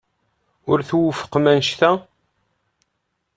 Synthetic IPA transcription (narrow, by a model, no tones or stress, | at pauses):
ʊɾθwəfə̥qmænʃθæ